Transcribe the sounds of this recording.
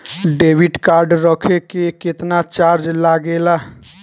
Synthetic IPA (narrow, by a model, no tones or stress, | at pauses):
ɖebʱiʈkaɾɖɾəkʰekeket̪nat͡ʃaɾd͡ʒlaɡelaɦ